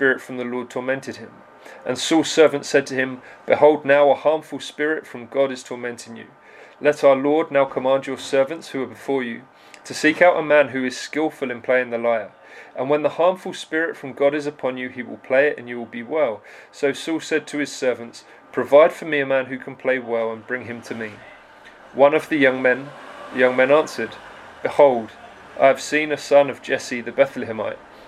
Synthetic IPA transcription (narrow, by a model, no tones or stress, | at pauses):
pɪɹɪtfɹʌ̃mðəlɔɹd̚tʰɔmɛ̃ntɨd̚ɪ̃m | ʔə̃nsɔlˠsɜ˞və̃ntsɛd̚tʰəɪ̃mb̥ɨhoʊlˠdⁿnaʊəhɑɹɱfəlˠspɪɹɪtfɹʌ̃mɡɑɾɨz̥tʰɔɹmɛ̃ntʰɪ̃ŋjʉ̰ | lɛɾaʊəlɔɹdⁿnaʊkʰəmɑ̃nd͡ʒə˞sɜ˞və̃ntshʉə˞bɨfɔɹjʉ | tʰəsiˑkaʊʔəmæ̃nɦʉɨz̥skɪlˠfəlˠɨ̃npʰl̥eɪɪ̃ŋðəlaɪə˞ | ʔə̃nwə̃nðəhɑɹɱfəlˠspɪɹɪtfɹʌ̃mɡɒɾɨzəpʰɒ̃njɨiwɪ̰lˠpʰl̥eɪɪtɨ̰̃njɨwɪlˠbiwɛlˠsoʊsɔlˠsɛd̚tʰəɨz̥sɜ˞və̃nts | pʰɹ̥əvaɪd̥fəmiɨmæ̃nɦʉkʰn̩pʰl̥eɪwɛlˠə̃nbɹɪ̃ŋɨ̃mtʰɨmi | wʌ̃nʌvðɨjʌ̃ŋmɛ̃nðɨjʌ̃ŋmɛ̃nɑ̃ˑnsə˞d | b̥ɨhoʊlˠd | ʔa̰ɪɨv̥sĩnɨsʌ̃nʌvd͡ʒɛsiðɨbɛθlɨɨma̰ɪʔ̚